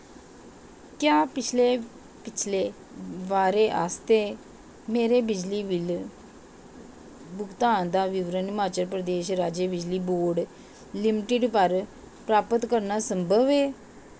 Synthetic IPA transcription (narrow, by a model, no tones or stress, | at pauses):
kjaːpɪt͡ʃʰleː | pɪt͡ʃʰleː | ʋaːɾeːʔaːst̪eː | meːɾeːbɪd͡ʒliːʋɪl | bʊkt̪aːnd̪aːʋɪʋɾənmaːt͡ʃəɾpɾəd̪eːʃɾaːd͡ʒeːbɪd͡ʒliːboːɾɖ | lɪmɪʈɪɖpəɾ | pɾaːpət̪kəɾnaːsəmbʱəʋeː